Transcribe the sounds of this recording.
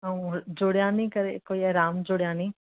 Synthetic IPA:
ɦũd͡ʒoːɽjãːnĩːkəɾekoːiɐɾaːmd͡ʒoːɽjãːnĩː

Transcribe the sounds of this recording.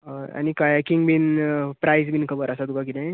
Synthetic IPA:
əa̰nikajakiŋɡbinpɾajsbinkʰəbəɾəsat̪ukakit̪a

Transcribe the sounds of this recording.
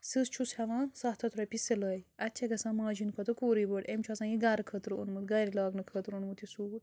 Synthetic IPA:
sɨst͡ʃʰushɐʋãːsɐɦt̪ʰɐt̪ʰɾɐpiselɐːjɐtːt͡ʃʰɐɡɐsãːmãːd͡ʒinkʰɐt̪ɨkoːɾibəʈemʲt͡ʃʰasãːjiɡaɾkʰət̪ɾɨṵnmut̪ɡɐɾilaːɡnɨkʰət̪ɾunmut̪isuː

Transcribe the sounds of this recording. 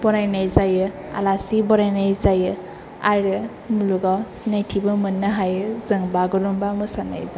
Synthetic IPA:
bɔɾajnajzajɯ | a̰lasibɔɾajnajzajɯ | aɾɯ | muluɡawsinajtʰibɯmɯnːɯɦajɯzɯŋbaɡɯɾumbamɯsana̰jza

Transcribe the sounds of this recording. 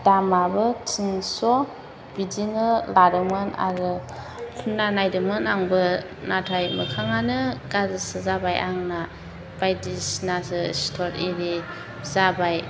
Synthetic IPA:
damabɯtʰinsɔ | bidinɯlaɾɯmɯna̰ɾɯ | kʰunanajdɯmɯnaŋbɯ | natʰajməkʰaŋanɯɡazɯsɯzabajʔaŋna | b̥ajdisnasɯstʰɔɾiɾi | zabaj

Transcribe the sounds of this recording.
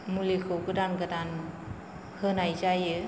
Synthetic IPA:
mulikʰokɯdankadan | hənajt͡ʃajɯ

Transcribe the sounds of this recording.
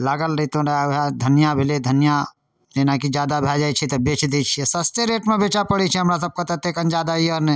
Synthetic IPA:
laɡəlɾit̪õɾaɦad̪ʱənijabʱiled̪ʱənija | lenakid͡ʒjad̪abʱad͡ʒajt͡ʃʰit̪ɔbet͡ʃd̪et͡ʃʰiɛsəst̪eɾeʈmẽbet͡ʃapəɽit͡ʃʰiɦəmɾas̬əb̚kət̪at̪ekənd͡ʒad̪aiəɾnɛ

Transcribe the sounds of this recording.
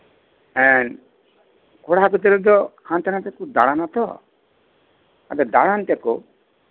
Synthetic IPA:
ɛn | koɽaɦakut̪iɾɔd̪ɔhant̪anat̪akud̪a̰ɽ̃anat̪ɔ | a̰d̪ɔd̪a̰ɽant̪eku

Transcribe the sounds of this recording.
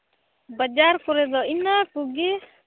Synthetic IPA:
bəd͡ʒaɾkɔɾɛd̪ɔinakuɡi

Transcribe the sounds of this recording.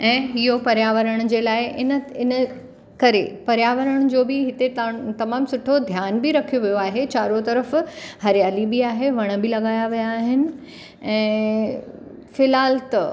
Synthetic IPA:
ɛ̃ːɦɪɦopɐɾjaːʋəɾəɽ̃d͡ʑeːlaːɪʔɪnəɪnə | kɐɾepɐɾjaːʋəɾəɽ̃d͡ʑoːbɪɦɪt̪et̪t̪ɐmaːmsʊʈʰod̪ʱjaːnbɪɾɐkʰijoʋijoaːɦet͡ɕaːɾot̪ɐɾəfhɐɾjaːlibiaːɦeʋɐɽ̃̆bɪlɐɡaːjaʋijaːɦɪnɪ̆ | ɛ̃ː | fɪlɦaːlt̪ɐ

